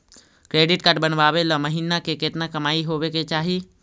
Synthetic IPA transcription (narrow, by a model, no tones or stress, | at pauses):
kɾeːɖɪʈkəʈ̚bənʋaːbelɔməɦiːnakeket̪nakɐmaːiɦoːʋeket͡ʃaːɦi